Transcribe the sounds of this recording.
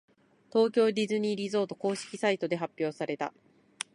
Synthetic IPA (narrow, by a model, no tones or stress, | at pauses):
t̪o̞ːkʲo̞ːd̪ʲizɨɲ̟iːɾʲizo̞ːt̪o̞ko̞ːɕi̥kʲi̥sait̪o̞d̪e̞ɦapʲːjo̞ːsaɾe̞t̪a̰